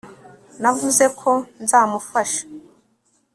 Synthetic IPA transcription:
navuze̞kʰo̞nzaːmufaʃḁ

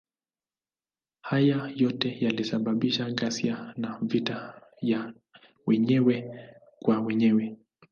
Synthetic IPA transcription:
hajajɔtɛjalisaɓaɓiʃaɠasianavitaja | wɛɲɛwɛ | kwawɛɲɛwɛ

